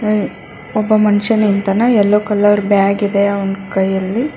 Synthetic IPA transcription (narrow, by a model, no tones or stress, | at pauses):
ɔbːɐmɐnʃɐnint̪ɐnɐɛlːoːkɐlːɐʋɾubeaːɡid̪eɐwɐnkɐjːɐlːi